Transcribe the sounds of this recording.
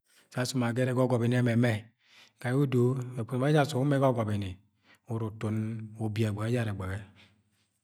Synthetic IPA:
sa˦su˦ma˨ɡe˦ɾe˦ɡɔ˦ɡɔ˨be˨n˦ɛ˦me˨mɛ˦ | ka˨ju˦do˦e˨k͡pu˦˨a˦a˦˨so˨u˦me˦ɡɔ˦ɡɔ˨be˨ni˨ | u˨ɾu˨to˨no˨bi˨a˨ɡ͡ba˨ɡe˦d͡ʒa˦ɾe˨ɡ͡be˨ɡɛ˦

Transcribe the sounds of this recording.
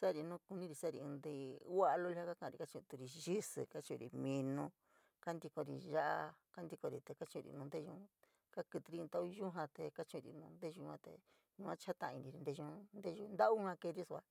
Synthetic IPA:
sa˦˨ɾi˧nũ˦ku˧nĩ˦ɾi˧sa˦˨ɾḭ˧ɨ̃˧nd̪i˧˦wa˦ʔlo˦˧li˧ha˦ka˦kã˧˨˧ɾi˧ka˦t͡ʃĩ˧t̪u˧ɾi˧ʒi˦sɨ̰˧˨ka˦t͡ʃũ˧ɾḭ˧mĩ˧nũ˧ | ka˦nd̪i˧ko˧ɾḭ˧ʒa˦ʔa˧ka˦nd̪i˧ko˧ɾi˧t̪e˧ka˦t͡ʃĩ˧ɾḭ˧nũ˧nd̪e˦˧ʒũ˧ | ka˦kɨ˧t̪i˧ɾi˧nt̪a˦ʔu˦˧ʒũ˦ɦã˧t̪e˧˨ka˦t͡ʃũ˧ɾḭ˧nũ˧nd̪e˦˧ʒu˧ã˧t̪ḛ˧ | ɲũ˧ã˦t͡ʃa˦t̪ã˧ʔã˧ĩ˧nĩ˧ɾi˧nd̪e˧ʒũ˧nd̪e˦˧ʒu˧nd̪a˦ʔu˦ã˧ke˧ɾi˦su˧a˧

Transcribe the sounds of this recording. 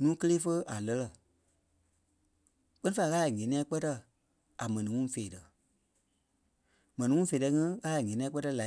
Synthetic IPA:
nũː˦kə˦leː˦fə˦a˨lə˧lə˧˨ | k͡pɜ˦nĩ˦fa˧i˧ɣaː˦˨ŋɛ̃˨nĩ˧˦ɛ̃˧˦k͡pɜ˦tə˧ | a˨mɛ̃˨nĩ˨ŋũ˦˨feː˨tə˨ | mɛ̃˨nĩ˨ŋũ˦feː˨ɜ˧˦ŋĩ˦ɣaː˦a˨ŋẽ˨nĩ˧ɛ̃˧˦k͡pɜ˦tə˧˨la˨˦

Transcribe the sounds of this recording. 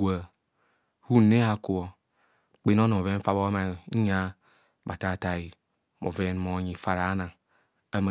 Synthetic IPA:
a˨ | hu˦˨ne˦a˨ku˨o˨ | k͡pe˦n˦o˦n˨o˨ve˦fa˦bo˦ma˨˦ɲa˦ | ba˨ta˦˨ta˨i˨ | mo̰˨ve˦n˦mo˨˦ɲi˨fa˦ɾa˨˦na˨ŋ | a˦m˨

